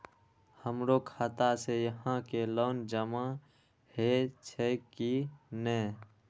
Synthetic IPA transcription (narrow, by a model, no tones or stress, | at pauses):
həmɾokʰaːt̪asejəɦãkeloːnd͡ʒəma | het͡ʃʰɛkinɛː